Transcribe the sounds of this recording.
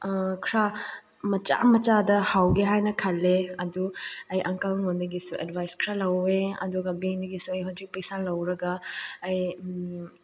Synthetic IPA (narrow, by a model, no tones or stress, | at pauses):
kʰɾa | mɐt͡ʃa̰mɐt͡ʃadɐhawɡeɦajnɐkʰɐlːeɐduɐjʔɐŋkalŋondɐɡisuʔḛdbʱajskʰɾalɐweɐ̰duɡɐbendɐɡisuɐjɦɐwd͡ʒik̚pɐjsalɐwɾɐɡɐːj